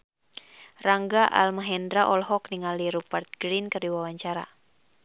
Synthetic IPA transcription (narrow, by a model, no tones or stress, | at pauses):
raŋɡaʔa̰lmaɦɛndɾaʔɔlɦɔkniŋaliɾupart̪̚ɡ̥ɾinkɨrdiwawaɲt͡ʃaɾa̰